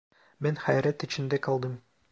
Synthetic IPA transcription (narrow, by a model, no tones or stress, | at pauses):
menχæjɾæt̪ĭt͡ʃɪ̆nd̪ekɑlˠd̪ɯm